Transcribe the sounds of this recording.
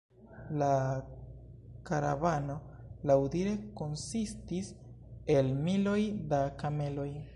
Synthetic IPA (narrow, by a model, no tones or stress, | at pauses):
la | kaɾa̰vano̞lawdiɾe̞ko̞nsistis | e̞lmilo̞jdakame̞lo̞j